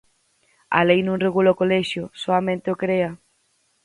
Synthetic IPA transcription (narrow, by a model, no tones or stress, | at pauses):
a̰lejnũŋreɣulaʊkolɛʃjʊsoamẽnt̪ɪʊkɾeɐ